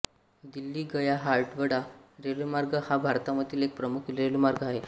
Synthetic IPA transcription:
d̪ilːiːɡəjaɦaɾʈʋəɽaɾelmaɾɡəhabʱaɾt̪ãʋət̪ʰiːlek̚pɾəmukʰɾelmaɾɡaɦe

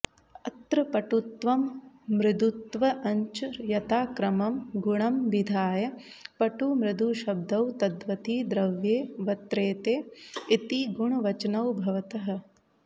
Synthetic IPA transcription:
ɐt̪ɾɐpɐʈut̪ʋɐmː | ɾɪd̪ut̪ʋɐʔɐɲt͡ʃujɐt̪aːkɾɐmɐmɡuɳɐmʋid̪ʱaːjɐ | pɐʈumɾɪd̪uːʃɐb̚d̪ɐwt̪ɐd̪ʋɐt̪iːd̪ɾɐʋjeːʋɐt̪ɾeːt̪eːit̪iɡuɳɐʋɐt͡ʃɐnɐwbʱɐʋɐt̪ɐɦɐ̆

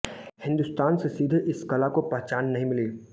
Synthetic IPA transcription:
hɪ̃nd̪ʊst̪aːnsesiːd̪ʱʔɪskɐlakopɛɦt͡ʃaːnːɐɦĩmɪleː

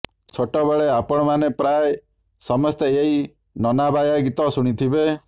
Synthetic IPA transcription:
t͡ʃʰoʈɔbeɭeapɔɽ̃ɔmanepɾae | sɔmɔst̪eeɦi | nɔnabajaɡit̪ɔsuɽ̃it̪ʰibe

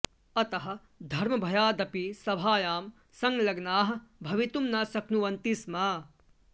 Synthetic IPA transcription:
ɐt̪ɐɦɐ̆ | d̪ʱɐɾmɐbʱɐjaːd̪ɐpisɐbʱaːjaːm | sɐŋlɐɡnaːɦɐ̆bʱɐʋit̪umnɐsɐknuʋɐnt̪ismaː

